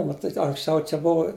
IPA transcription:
mɐˈtʲiːtʲ ɐŋksʲˈt͡ʃʲɛʊ t͡ʃʲɛ ˈbʊʋɐ

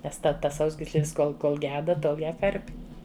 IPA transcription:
ˈnʲɛs ˈtʲɛ ˈtɐs ˈsɐʊzʲɡʲiːsʲlʲeːs ˈkoːlˠ koːlˠ ˈɡʲæːdɐ ˈtoːlˠ ˈjæː ˈkɐrʲpʲɪ

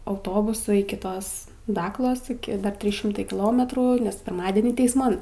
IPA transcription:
ɐʊˈtoːbʊsʊ ɪkʲɪ ˈtoːs ˈdɑːklˠoːs ɪˈkʲɪ ˈdɐr ˈtʲrʲiːs ˈʃʲɪmtɐɪ kʲɪˈlˠoːmʲɛtruː nʲɛs pʲɪrˈmɑːdʲɛnʲiː tʲɛɪsˈmɐn

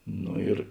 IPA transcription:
ˈnoː ɪr

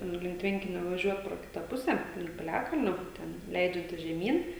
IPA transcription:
ˈnʊ lʲɪŋk ˈtʲʋʲɛŋʲkʲɪnʲɛ ʋɐˈʒʲuɔt proː ˈkʲɪtɐ ˈpʊsʲɛ lʲɪŋk pʲɪˈlʲæːkɐlʲnʲoː ˈtʲɛn ˈlʲɛɪd͡ʒʲɛnʲtʲɪs ʒʲɛˈmʲiːn

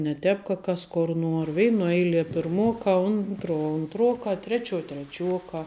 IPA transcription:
nʲɛ ˈtʲɛːp kɐ ˈkɐs koːr ˈnuɔr ˈʋʲɛɪnuɔ ˈɛɪlʲiɛ pʲɪrˈmuɔkɑː ˈʊntruɔ ʊnˈtruɔkɑː ˈtʲrʲæːt͡ʃʲuɔ tʲrʲɛˈt͡ʃʲuɔkɑː

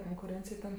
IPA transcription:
koːŋkʊˈrʲeːnʲt͡sʲɪj tʲɛn

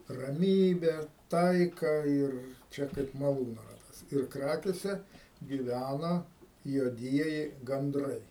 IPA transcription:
rɐˈmʲiːbʲæː ˈtɐɪkɑː ɪr ˈt͡ʃʲɛ kɐɪp mɐˈlˠuːnoː ˈrɑːtɐs ɪr ˈkrɑːkʲeːsʲɛ ɡʲiːˈʋʲænɐ juɔˈdʲiɛjɪ ɡɐnˈdrɐɪ

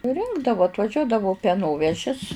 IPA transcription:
sʊˈrʲɪŋɡdɐʋʊ ɐtʋɐˈʒʲuɔdɐʋʊ pʲɛˈnoːʋʲɛʒʲɪs

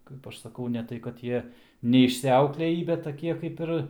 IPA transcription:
ˈkɐɪp ɐʃ sɐˈkɐʊ nʲɛ ˈtɐɪ kɐt ˈjiɛ nʲɛɪʃʲsʲɪˈɐʊklʲeːjiː bʲɛt tɐˈkʲiɛ ˈkɐɪp ɪr

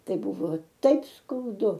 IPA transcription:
ˈtɐɪ ˈbʊʋoː ˈtɐɪp skɐʊˈdʊ

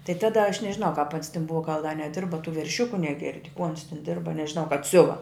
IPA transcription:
tɐɪ ˈtɑːdɐ ɐʃ nʲɛʒʲɪˈnɐʊ kɐp ɐns tʲɪn ˈbʊʋɐ ɡɐlˠ dɐ nʲɛˈdʲɪrbɐ tuː ʋʲɛrʲˈʃʲʊkʊ nʲɛˈɡʲɪrʲdʲɪ kuː ɐns tʲɪn ˈdʲɪrbɐ nʲɛʒʲɪˈnɐʊ kɐp ˈsʲʊʋɐ

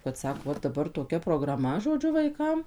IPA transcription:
kɐt ˈsɑːkoː ˈʋɐ dɐˈbɐr toːˈkʲɛ proːɡrɐˈmɐ ʒoːˈd͡ʒʲʊ ʋɐɪˈkɐm

